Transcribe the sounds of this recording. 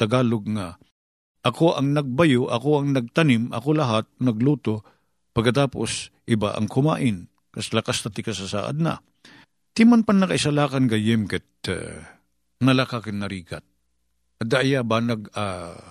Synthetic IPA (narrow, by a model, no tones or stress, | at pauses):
t̪ɐɡaːloɡŋa | ʔɐkoʔɐŋnɐɡ̚bɐjoʔɐkoɐŋnɐɡ̚t̪ɐnɪmɐ̰kolɐɦat̪̚nɐɡluːt̪o | pɐɡkːɐt̪aːpo̰sʔɪba̰ʔɐ̰ŋkʊma̰ːʔɪn | kɐslɐkast̪ɐt̪ɪkɐsɐsa̰ːʔa̰d̪̚nɐ̰ | t̪imanpanːɐkɐɪsalaːkɐnɡɐjɪmkɛt̪̚ | nɐlakakɪnnɐɾiːɡa̰t̪̚ | ɐd̪aʔjabaːnɐɡa